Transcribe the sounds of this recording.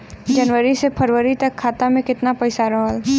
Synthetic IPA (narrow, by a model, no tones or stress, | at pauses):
d͡ʒɐnʋəɾisepʰɐɾʋəɾit̪ɐkʰːaːt̪amẽkɪt̪napɐɪsaɾɐɦəl